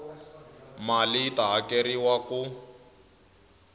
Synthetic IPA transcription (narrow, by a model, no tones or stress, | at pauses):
malitaɦakeɾiwaku